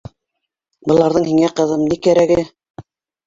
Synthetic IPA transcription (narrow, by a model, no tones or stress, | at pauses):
bɤ̆lˠɑɾðɤɴhiŋæqɤ̆ðɤmnikæɾæɡɘ